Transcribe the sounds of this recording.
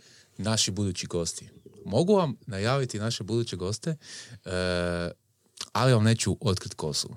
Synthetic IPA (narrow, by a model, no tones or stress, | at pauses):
naʃibud̪ut͡ɕiɡo̞ːst̪imo̞ɡuʋamnajaːʋit̪inaʃebud̪uːt͡ɕeɡo̞st̪e | aliʋamne̞ːt͡ɕuʔo̞t̪̚kɾit̪kʰo̞sṵ